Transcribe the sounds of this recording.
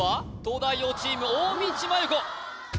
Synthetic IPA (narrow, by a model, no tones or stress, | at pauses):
at̪oːd̪aioːt͡ɕiːmɯ̟oːmʲĩt͡ɕimajɯko